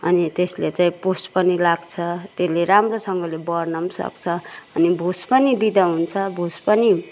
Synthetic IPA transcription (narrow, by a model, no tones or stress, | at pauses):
ʌ̰nit̪eslet͡saĩpospʌnilaɡt͡sʰʌt̪eleɾamrosʌŋɡʌlebʌrnʌmsʌ̰kt͡sʰʌʌnibʱuspʌnid̪id̪ʌɦunt͡sʰʌbʱuspʌni